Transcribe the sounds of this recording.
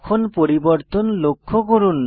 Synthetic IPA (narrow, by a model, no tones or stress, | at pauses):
kʰonpoɾibɔɾt̪ɔnlokʰːoɡoɾun